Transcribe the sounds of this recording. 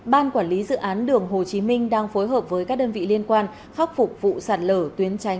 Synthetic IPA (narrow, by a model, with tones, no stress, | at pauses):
ɓaː˧nkwaː˧˩nli˨˦zɨ̰˧˨ʔaː˨˦nɗɨ˨˩əŋɦo˨˩t͡ɕi˨˦mï˧ŋ̟ɗaː˧ŋfo˨˦jɦəː˨˩p̚vəː˨˦jkaː˦˥k̚ɗəː˧nvḭ˧˨li˧ənkwaː˧n | xa˦˥k͡p̚fʊ˨˩k͡p̚vṵ˧˨saː˨˩t̚ləː˧˩t̪wi˨˦ənt͡ɕa˨˦jŋ̟